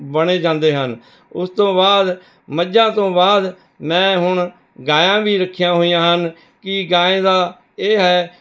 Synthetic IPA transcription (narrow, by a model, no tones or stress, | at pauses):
bəɽeːd͡ʒãːnd̪eːɦən | ʊst̪õːbaːd̪ | məd͡ʒãːt̪õːbaːd̪ | mɛ̃ːɦʊɳ | ɡaːjãːbiːɾəkʰːɪjãːɦoːijãːɦən | kɪɡaːẽːd̪aː | eːɦɛː